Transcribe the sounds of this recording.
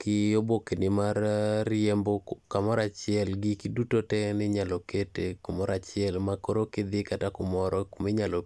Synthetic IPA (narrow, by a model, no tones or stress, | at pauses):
kɪobokenɪmarrɪembokamɔɾat͡ʃɪɛlɡɪkidutotɛnɪɲaloketekʊmɔɾat͡ʃɪɛlmakoɾokɪd̪ɪkatakʊmɔɾɔkomeɲalo